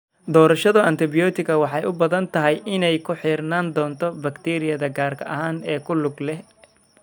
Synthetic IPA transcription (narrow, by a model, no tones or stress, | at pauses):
d̪ɔːɾɐʃɐðɐʔɐnt̪ʰɪbɪjɔːt̪ʰɪkʰɐwɑħɑjʔʊbɐðɐnt̪ʰɐɦɛjɪnɛjkʰʊħiːrnaːnd̪ɔːnt̪ʰɔbɐkt̪ʰɛːɾɪjɐðɐɡaːrkʰɐʔɐɦaːnɛːkʰʊlʊɡlɛh